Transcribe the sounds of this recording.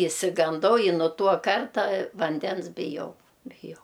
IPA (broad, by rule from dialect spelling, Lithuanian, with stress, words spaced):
ɪʃʲsʲɪɡɐnˈdɐʊ ɪ nʊ ˈtuɔ ˈkɐrtɐ ʋɐnʲˈdʲɛns bʲɪˈjɛʊ bʲɪˈjɛʊ